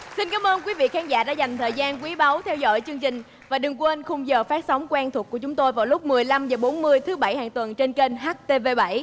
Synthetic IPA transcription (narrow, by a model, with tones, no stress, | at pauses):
si˧nkaː˨˦mʔəː˧nkwi˨˦vḭ˧˨kaː˨˦˥ŋza̰ː˧˥ɗa̰ː˧˥za˨˩jŋ̟t̪ʰəː˨˩jzaː˧nkwi˨˦ɓa˨˦wt̪ʰɛ˧wzɔ̰˧˥˨jt͡ɕɨ˧əŋt͡ɕï˨˩ŋ̟ | vaː˨˩ɗɨ˨˩ŋkwnxʊ˧wŋ͡mzəː˨˩faː˦˥t̚sa˨˦wŋ͡mkwnt̪ʰu˨˩ku˧˩ət͡ɕʊ˨˦ŋ͡mt̪o˧jvaː˨˩wlʊ˦˥k͡p̚mɨ˨˩əjla˧mzəː˨˩ɓo˨˦nmɨ˧əjt̪ʰɨ˨˦ɓa̰˧˩jha̰ː˧˨˩ŋt̪wə˨˩nt͡ɕe˧nke˧nɦaː˦˥t̚t̪e˧ve˧ɓa̰˧˩j